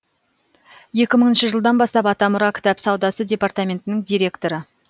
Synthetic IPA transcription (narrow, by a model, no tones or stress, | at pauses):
je̞kʲɪməɴənʃɪʒəlˠd̪ɑnbɑst̪ɑpɑt̪ɑmʊɾɑkʲʰɪ̥t̪ɑpsɑwd̪ɑsəd̪ʲe̞part̪amʲe̞nt̪ɪnɪŋd̪ijɾʲe̞kt̪o̞ɾə